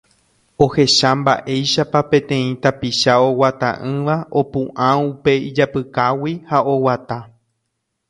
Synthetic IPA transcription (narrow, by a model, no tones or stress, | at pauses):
o̞he̞ʃamba̰ʔe̞jʃapapẽ̞t̪ẽ̞ĩt̪apiʃao̞wat̪ã̰ʔɨ̃ʋaʔo̞pũʔãupe̞id͡ʒapɨkawihao̞wat̪a